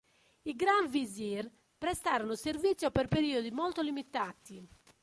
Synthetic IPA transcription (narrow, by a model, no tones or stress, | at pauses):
iɡɾaɱviziɾ | pɾɛst̪aːɾɔnoseɾvit̪sːjɔpɛɾpeɾiːod̪imolt̪olimit̪at̪i